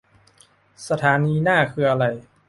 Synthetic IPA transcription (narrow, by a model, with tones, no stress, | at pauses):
sa˧t̪ʰaː˩˦niː˧naː˥˩kʰɯː˧ʔa˧ɾa˧j